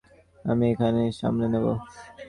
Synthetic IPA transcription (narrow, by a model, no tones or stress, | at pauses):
əmiekʰaneʃa̰ːmlenebo